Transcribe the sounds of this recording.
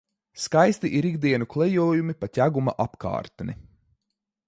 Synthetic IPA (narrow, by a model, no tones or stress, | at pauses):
skajst̪iʔiɾiɡd̪iɛnuklˠɛjɔːjumipatʲæɡuma̰ʔapka̰ːɾt̪nḭ